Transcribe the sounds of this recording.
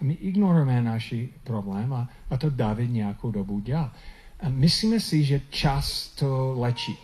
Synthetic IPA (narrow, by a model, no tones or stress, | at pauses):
mɪʔɪɡnɔɾuɛmɛnaʃipɾoblɛmaːt̪odavɪd̪ɲɛakowdobudal | ʔamɪslimɛsɪʒɛt͡ʃast̪ʰolɛt͡ʃi